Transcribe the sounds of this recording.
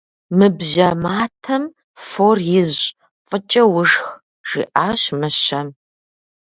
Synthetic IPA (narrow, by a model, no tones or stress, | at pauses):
mɨbʒɐmaːtʰɐm | foːrjɪzɕʼ | qʼət͡ʃʼɐwʊʂx | ʐ̥ḭːʔaːɕmɨɕɐm